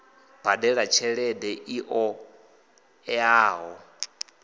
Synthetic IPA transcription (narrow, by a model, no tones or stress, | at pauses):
b̥adɛɺat͡ʃʰɛɺɛdɛʔiʔɔ | ɛaːɦɔ